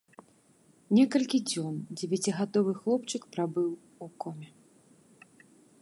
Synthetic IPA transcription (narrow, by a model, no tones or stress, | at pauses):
nʲɛkɐlʲkʲid͡zʲɔnd͡zʲɛvʲat͡sʲiɣad̪ɔvɨxlˠɔpt͡ʂɨkpɾabɨw | ukɔmʲɛ